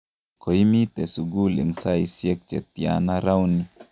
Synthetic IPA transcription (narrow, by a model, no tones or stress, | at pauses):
koimit̪ɛsuɡulɛŋsaisiɛk̚t͡ʃɛt̪ia̰naɾawni